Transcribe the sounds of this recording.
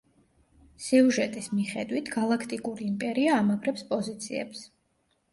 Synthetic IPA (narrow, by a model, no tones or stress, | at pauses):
siuʒɛt̪ʼismiχɛd̪wit̪ʰɡ̥alˠakʰt̪ʼikʼuɾiːmpʼɛɾiaːmapʰɾɛpspʼɔzit̪sʰḭɛ̰ps